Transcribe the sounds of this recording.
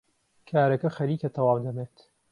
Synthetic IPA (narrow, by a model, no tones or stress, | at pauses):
kʰaːɾɐkɐxɐɾiːkɐt̪ʰɐwaːwd̪ɐmeːt̪